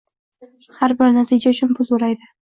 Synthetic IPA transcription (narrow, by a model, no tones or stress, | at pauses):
haɾbɪɾnat̪ʰid͡ʒaʊt͡ʃʰʊnpʰʊloɾajd̪ɪ